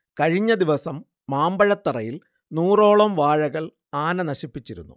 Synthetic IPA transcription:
kɐɻiɲːɐd̪iʋɐsɐmː | aːmbɐɻɐt̪ːɐrɐjil | nuːro̞ːɭɐmʋaːɻɐɣɐɭ | aːnɐnɐɕipːit͡ɕːiɾṵnːṵ

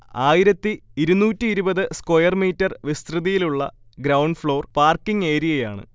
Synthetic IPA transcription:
aːjiɾɐt̪ːiiɾunuːtːiːɾubɐðɨskojɐrmiːtːɐrʋist̪rɨðijiluɭːɐ̰ | ɡɾɐwɳɖfɭo̞ːrpaːrkːiŋɡe̞ːɾijɐja̰ːɳɨ̰

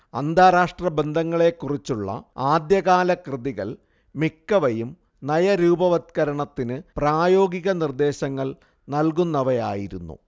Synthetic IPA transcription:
ɐnd̪ʱaːɾaːʂʈrɐbend̪ʱɐŋːɐɭe̞kːurit͡ɕːuɭːɐ̰aːd̪jɐɣaːlɐkrɨðiɣɐ̰ɭ | mikːɐʋɐjum | nɐjɐɾuːbɐʋɐt̪̚kɐɾɐɳɐt̪ːinɨpraːjo̞ːɡiɣɐnird̪e̞ːɕɐŋːɐɭ | nɐlkunːɐʋɐja̰ːjiɾunːṵ

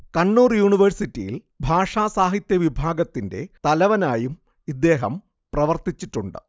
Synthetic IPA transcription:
kɐɳːuːrjuːɳiʋɐrsitːijḭl | bʱaːʂaːsaːɦit̪jɐʋibʱaːɡɐt̪ːinde̞̰t̪ɐlɐʋɐnaːjum | id̪ːe̞ːɦɐm | prɐʋɐrt̪it͡ɕːiʈːuɳɖɨ̰

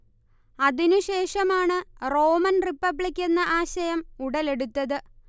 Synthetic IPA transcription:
ɐðinuɕe̞ːʂɐmaːɳɨro̞ːmɐnripːɐbɭikʲːe̞nːɐʔaːɕɐjɐmuɽɐle̞ɽut̪ːɐðɨ

